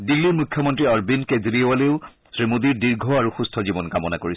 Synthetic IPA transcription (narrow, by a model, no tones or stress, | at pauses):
dilːiɹmukʰjɔmɔntɹiɔɹbinkedɹiwaleʊ | sɹimudiɹdiɹɡʱɔaɹuxustʰɔzibɔnkamɔnakoɹi